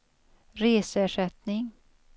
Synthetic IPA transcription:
ɾeːsæʂɛt̪nɪŋ

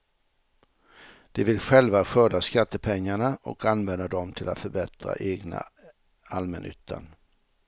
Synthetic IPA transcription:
d̪̥ɛvɪlɧɛlvaɧœːd̪askat̪ːəpʰɛŋːaɳaʔɔ̰kanvɛnd̪ad̪ɔmt̪ʰɪla̰t̪fœɾbɛt̪ɾa̰ʔeːɡna̰ | almɛnʔʏ̰ːt̪ʰːa̰n

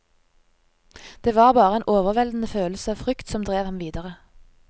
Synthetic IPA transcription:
d̪̥eːʋɑːʁbɑːʁəeːnʔoːʋəʁʋɛld̪n̩əføːl̩səɑːʋfʁʏkt̪sɔmd̪ʁeːʋhɑmʋiːd̪əʁə

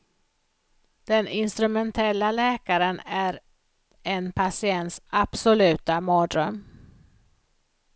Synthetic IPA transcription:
d̪̥ɛnɪnst̪ɾɵmɛnt̪ʰɛlːalɛːkaɾənæɾ | ɛnpʰasɪɛnt̪sab̥sɔlʉ̟ːt̪amoːd̪ɾœm

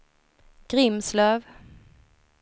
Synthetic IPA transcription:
ɡ̥ɾɪmslœːv

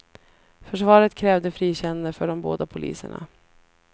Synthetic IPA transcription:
fœʂvɑːɾət̪kʰɾɛːvd̪əfɾiːɕɛnand̪əfœɖɔmbo̰ːd̪apʰʊlʔḭːsəɳa̰

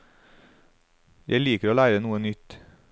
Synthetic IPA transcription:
jʔæɪliːkəɾoːlæɪɾənuːənʏt̪

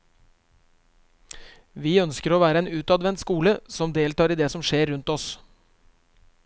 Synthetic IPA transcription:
ʋiːœnskəɾoːʋæːɾəeːnʉːt̪ɑd̪ʋɛnt̪skuːləsɔmd̪eːlt̪ɑːɾiːd̪eːsɔmʃeːɾʉnt̪ɔs

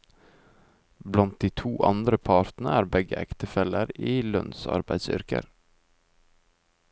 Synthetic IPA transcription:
blɑnt̪̚d̪iːt̪ʰuːʔɑ̰nd̪ɾəpʰɑːɾt̪nəæːɾbɛɡəʔɛkt̪əfɛləɾiːlœnsɑ̰ɾbæɪd̪sʏ̰ɾkə̰ɾ

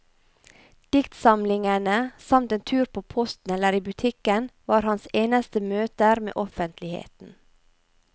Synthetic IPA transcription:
d̪̥ɪkt̪sɑmlɪŋənəsɑmt̪eːnt̪ʰʉːɾpʰoːpʰɔst̪n̩ɛləɾiːbʉt̪ʰɪkənʋɑːɾhɑnseːnəst̪əmøːt̪əɾmḛːʔɔfənt̪lɪhḛːt̪n̩

